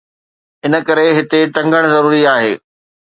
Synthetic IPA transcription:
ɪnə̆kɐɾeɦɪt̪eʈɐ̃ŋɡəɽ̃zɐɾuːɾiaːɦeː

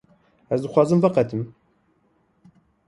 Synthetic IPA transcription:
ɛzd̪ɨxʷwɑːzɨmvɛqɛt̪ʰɨm

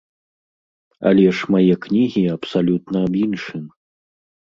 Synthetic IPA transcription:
ɐ̰lʲɛʂmajɛknʲiɣʲiɐpsalʲut̪nɐːbjinʂɨm

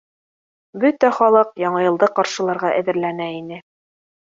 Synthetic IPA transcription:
bɵt̪æχɒlˠɤqjɑɴɑjɤ̆lˠd̪ɤqɑɾʃɤ̆lˠɑɾʁɑʔɘ̆ðɘ̆ɾlænæinɘ

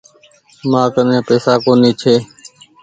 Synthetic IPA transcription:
mãːkənẽːpeːsaːkoːniːt͡ʃʰeː

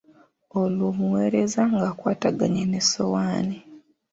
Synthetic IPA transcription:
olwoːmuwe̞ːɾezaŋɡaːkwaːtaɡaɲenesowaːni

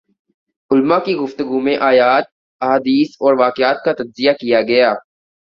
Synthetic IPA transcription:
ʊlmakiɡʊft̪əɡumẽʔaːjaːt̪̚ | ɐɦaːd̪iːsɔːɾʋaːkɪaːt̪̚kat̪ɐd͡ʒzɪjakijaɡɐjaː

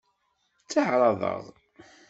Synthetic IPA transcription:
t͡sːəʕɾˤɑðˤə̰ðˤ

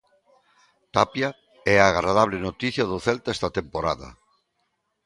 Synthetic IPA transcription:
t̪apja | ɛaɣɾað̞aβlenot̪iθjaðoθɛlt̪ɛst̪at̪empoɾaða̰

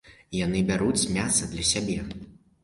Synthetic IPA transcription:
ijanɨbʲaɾut͡sʲmʲat̪sɐd̪lʲɐsʲabʲɛ

